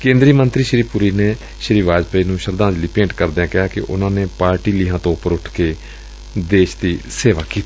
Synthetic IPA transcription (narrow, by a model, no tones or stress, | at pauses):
kẽːnd̪ɾiːmənt̪ɾiːʃɾiːpʊɾiːneː | ʃɾiːʋaːd͡ʒpəiːnũːʃəɾd̪ãːd͡ʒliːpẽːɳʈkəɾd̪eãːkɪɦaːkɪ̰ʔʊ̰nãːneːpaːɾʈiːliːɦãːt̪õpəɾʊʈʰkeː | d̪eːʃd̪iːseːʋaːkiːt̪a